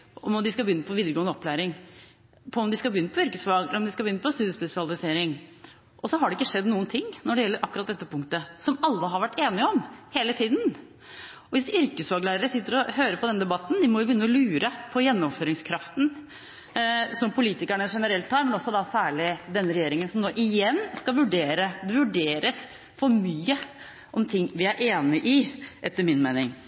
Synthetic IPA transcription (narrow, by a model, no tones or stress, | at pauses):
ɔmɔd̪ɪskɑbəjʏnːəpʰɔʋiːd̪ɾəɡoːnɔplæːɾɪŋ | pʰɔmd̪ɪskɑbəʏnːəpʰɔʏɾkəsʋɑːɡɾɔmd̪ɪskɑlbjʏnːəpʰɔst̪ʉːd̪əspɛsɪɑlɪseːɾɪŋ | ʔɔsɔɦɑɖɛɪkːəʂɛd̪nuːənt̪ʰɪŋːnɔɖɛjɛlːəɾʔɑkːʉɾɑt̪̚d̪ɛt̪ːəpʰʊŋkt̪əsɔmɑlːəɦɑɾʋæʈːeːnɪəɔmheːlət̪ʰiːd̪n̩ | ɔʋɪsʏɾkəsʋɑːɡlæːɾəɾəsɪt̪ːəɾɔhøːɾəpʰɔd̪ɛnd̪ɛbɑt̪ːn̩d̪ɪmɔʋɪʊbjʏnːəɔlʉːɾəpʰɔjɛnːɔmføːɾɪŋskʰɾɑft̪n̩ | sɔmpʰʊliːt̪ɪkæɳəʂɛnəɾɛlt̪ʰhɑːɾmɛnɔsːɔd̪ɑsæːɭɪd̪ɛnːɾɛjeːɾɪŋənsɔmnoːʔɪjɛnːskɑʋʉɖeːɾəd̪ɛʋʉɖeːɾəs | fɔɾmyːə | ʔɔmt̪ʰɪŋːʋɪæɾʔeːnɪʔɪʔɛt̪ːəɾmɪnmeɪnɪŋ